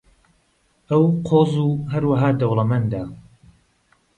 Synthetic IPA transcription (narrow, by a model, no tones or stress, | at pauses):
ʔɐwqʰoːzuːɦɐɾwaɦaːd̪ɐwlˠɐmɐnd̪aː